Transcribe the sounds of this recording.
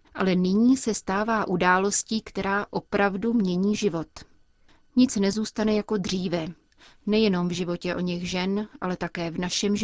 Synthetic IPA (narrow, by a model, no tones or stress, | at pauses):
ʔa̰lɛnɪɲiːsɛst̪aːvaːʔudaːlo̞sciːkt̪ɛɾaːʔo̞pɾavdumɲɛɲiːʒɪvo̞t̪ | ɲɪt͡snɛzuːst̪anɛjako̞d̪r̝iːvɛ | nɛjɛno̞mvʒɪvo̞cɛʔo̞ɲɛɣʒɛnʔa̰lɛt̪akɛːvnaʃɛmʒ